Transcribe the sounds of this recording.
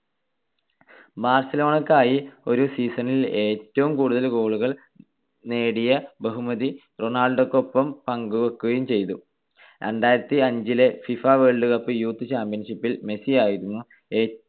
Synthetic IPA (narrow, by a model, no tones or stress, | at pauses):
baːrsɐlo̞ːɳɐkːaːjio̞ɾusiːsɐnile̞ːtːɐʋumkuːɽuðɐlko̞ːɭuɣɐɭ | ne̞ːɽijɐbeɦumɐði | ro̞ɳaːlɖokːo̞pːɐmpɐŋɡuʋɐkːuɣɐjumt͡ɕe̞jt̪u | ɾeɳɖaːjiɾɐt̪ːiɐɲd͡ʑile̞fifaːʋeːɭɖɨkɐpːɨjuːt̪ːɨɕaːmpjɐnʂipːilme̞siaːjiɾunːu | e̞ː